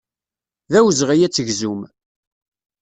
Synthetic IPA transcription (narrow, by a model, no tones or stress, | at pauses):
ðæwzʁæjæt͡sːəʝzum